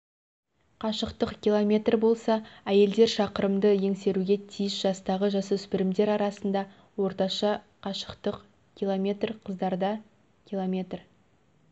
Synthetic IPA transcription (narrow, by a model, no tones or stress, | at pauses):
qʰɑʃəqt̪əqkʲilˠomʲe̞t̪rbo̞lˠsɑæje̞ld̪e̞ɾʃɑqəɾəmd̪əje̞ŋse̞ɾuɡʲe̞t̪ʰijɪsʒ̥ɑst̪ɑʁəʒɑsʏspɪɾɪmd̪e̞ɾɑɾɑsənd̪ɑ | wo̞ɾt̪ɑʃɑ | qʰɑʃə̥qt̪əq | kʲilˠomʲe̞t̪rqʰəzd̪ɑɾd̪ɑ | kʲilˠomʲe̞t̪r